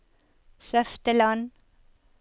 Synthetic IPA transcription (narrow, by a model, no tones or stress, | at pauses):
sœft̪əlɑn